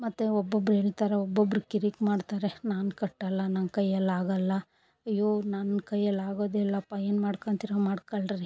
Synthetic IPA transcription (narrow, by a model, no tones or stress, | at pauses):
mɐt̪ːeɔbːobɾɦeːɭit̪aːɾeɔbːobːɐɾukiɾikmaːɖt̪aːɾenaːnkɐʈːɐlːɐnɐnkɐjːɛlːaːɡɐlːɐ | ɐjːoːnɐnkɐjːɛlːaːɡoːd̪ɛlːɐːpːaeːnmaːɽkɐnt̪iɾomaːɽkɐɭɾɾi